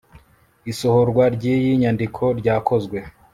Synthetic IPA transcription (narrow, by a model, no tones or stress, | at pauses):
isohoɾɡwaɾɟijiɲandikʰo̞ɾɟaːko̞zɡwe̞